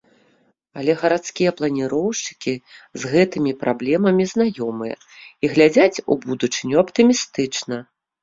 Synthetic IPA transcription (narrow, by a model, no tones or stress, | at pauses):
ɐlʲɛɣɐɾat̪skʲijɛplˠɐnʲiɾɔwʂt͡ʂɨ̥kʲizɣɛt̪ɨmʲipɾʔablʲɛmɐmʲizn̪ajɔmɨjɐ̰ | iɣlʲad͡zʲat͡sʲṵbud̪ut͡ʂɨnʲuapt̪ɨmʲist̪ɨt͡ʂnɐ